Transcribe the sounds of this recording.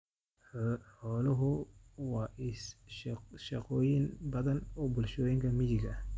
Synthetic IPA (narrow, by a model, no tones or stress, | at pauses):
ħɔːlɐɦʊwɑːɪ | ʃɑqɔːjɪnbɐðɐnɔbʊlʃɔːjɪŋkʰɐmɪðɪɡɐh